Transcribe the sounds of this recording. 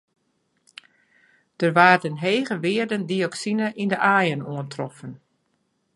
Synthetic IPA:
d̥ərʋaːrdənɦeːɣəʋɪːərdəndiɔksinəʔindəʔaːjənuəntrɔfən

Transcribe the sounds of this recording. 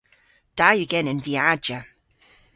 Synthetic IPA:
d̥ajəɡɛnɪ̃nviad͡ʒə

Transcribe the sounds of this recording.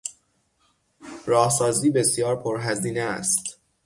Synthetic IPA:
ɾɒːhsɒːziːbe̞sjɒːɾpʰoɾɦæziːnɛ̰st̪

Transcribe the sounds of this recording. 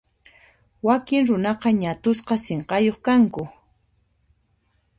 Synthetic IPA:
wakɪŋɾʊnɑqɑɲat̪ʊsqɑseɴqɑjoχkaŋkʊ

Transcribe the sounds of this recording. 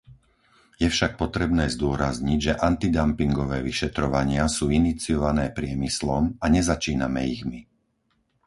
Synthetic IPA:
jɛfʃak̚pɔt̪ɾɛbnɛːzd̪ʊɔɾazɲiɟʒɛʔant̪id̪ampiŋɡɔʋɛːʋiʃɛt̪ɾɔʋaɲɪasuːinit͡siɔʋanɛːpɾɪɛmislɔmaɲɛzat͡ʃiːnamɛiɣmi

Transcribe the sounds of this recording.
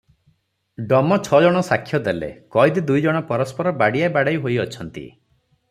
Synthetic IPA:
ɖɔmɔt͡ʃʰɔd͡ʒɔɽ̃ɔsakʰjɔd̪elḛkɔjd̪ed̪ujd͡ʒɔɽ̃ɔpɔɾɔspɔɾɔbaɽijabaɽajɦojɔt͡ʃʰɔnt̪ḭ

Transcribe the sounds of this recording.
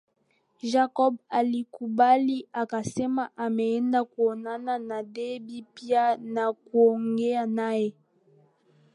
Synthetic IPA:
ʒakɔbalikubaliakasemaʔameɛndakwonananadebipianakwoŋɡeanae

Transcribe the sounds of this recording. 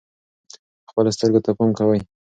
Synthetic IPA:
xpəlast̪əɾɡot̪apamkawaj

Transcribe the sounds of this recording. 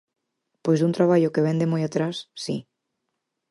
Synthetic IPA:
pojzðunt̪ɾaβ̞aʎokeβ̞end̪emojat̪ɾasːi

